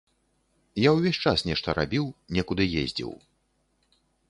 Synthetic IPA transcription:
jawvʲesʲt͡ʂasnʲɛʂt̪ɐɾa̰bʲiwnʲɛkud̪ɨjḛzʲd͡zʲḭw

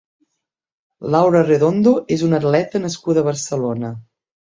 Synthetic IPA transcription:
lawɾəreðond̪oʔezunət̪lɛt̪ənəskuðəβ̞əɾsəlonə

